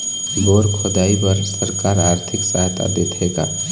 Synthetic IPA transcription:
boːɾkʰʊd̪aːibəɾsəɾkaːɾaːɾt̪ʰɪksaɦt̪ʰa̰d̪eːt̪ʰeːɡa̰ː

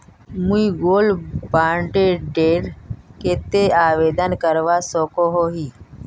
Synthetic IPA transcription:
muiɡoːlbaːɳʈeɖeːɾket̪eaːʋeːd̪ənkəɾʋasoːkoɦoːɦiː

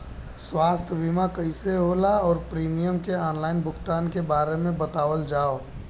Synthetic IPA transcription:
swaːst̪ʰbimakəɪseɦolaɔːɾpɾiːmijəmkeɔːnlaɪnbʱʊkt̪aːnkebaːɾemẽbət̪aːʋəld͡ʒaːo

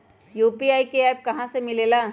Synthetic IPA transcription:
juːpiaːikeɛːp̚kɐɦãsemɪleːlaː

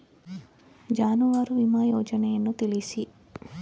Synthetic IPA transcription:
d͡ʒaːnuʋaːɾuʋimaːjɔːd͡ʒɐnɛjɐnːut̪elisi

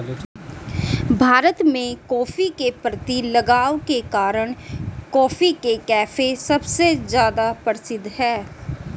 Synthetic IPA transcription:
bʱaːɾət̪mẽkɔːfikepɾət̪ilɐɡaːokekaːɾəɽ̃kɔːfikekɛːfʰesɐbsezjaːd̪apəɾsɪd̪ʱːɦɛː

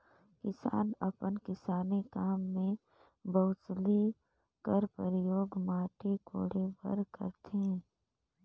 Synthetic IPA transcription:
kɪsa̰ːnɐpənkɪsaːnekaːmːẽ | bɐʊsli | kəɾpəɾjoːɡmaːʈiko̰ːɽebə̰ɾkə̰ɾt̪ʰẽ

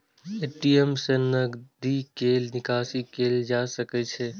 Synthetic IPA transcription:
eːʈiemsenəɡd̪ikeːlnɪkaːsikeːld͡ʒaːsəkɛt͡ʃʰe

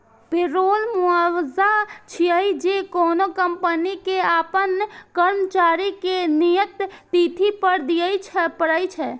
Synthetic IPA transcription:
pɪɾoːlmuaːwzat͡ʃʰiəid͡ʒekɔːnokəmpənikeaːpənkəɾmət͡ʃaːɾikenijət̪ːit̪ʰipəɾd̪ijəit͡ʃʰɛpəɾəjt͡ʃʰɛ

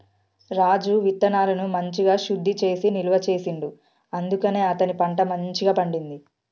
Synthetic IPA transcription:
ɾaːd͡ʒuʋit̪ːɐnaːɾɐnumɐɲt͡ʃiɡaːʃud̪ʱːit͡ʃe̞ːsiniluʋɐt͡ʃe̞ːsiɳɖu | ɐnd̪ukɐne̞ːɐt̪ɐnipɐɳʈɐmɐɲt͡ʃiɡaːpɐɳɖind̪i

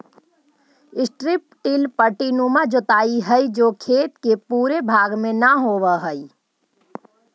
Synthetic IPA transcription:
ɪsʈɾɪp̚ʈilpəʈinumad͡ʒot̪aiɦəid͡ʒokʰeːt̪kepuɾebʱaɡmẽnəɦoʋəɦəi

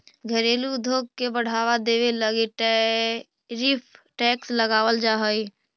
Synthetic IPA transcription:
ɡʱəɾeːlud̪ʱoːɡ̚kebəɽ̤aʋad̪eːʋeləɡeʈ | ɾipʰʈɛːksləɡaːwəld͡ʒaɦəj

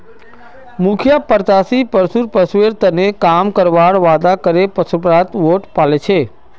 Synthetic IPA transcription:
mʊkʰjapəɾt̪asipəɾsuɾpəsʋeɾt̪ənekamkəɾʋaɭʋad̪akəɾepəsupɾat̪ʋoʈpalet͡ʃʰe

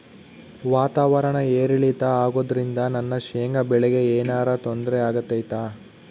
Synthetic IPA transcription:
ʋaːt̪aːʋɐɾɐɳɐeːɾiɭit̪ɐaːɡoːd̪ɐɾind̪ɐnɐnːɐʃeːŋɡɐbɛɭɛɡe̞eːnaːɾɐt̪ond̪ɾeaːɡɐt̪ːɐjt̪aː

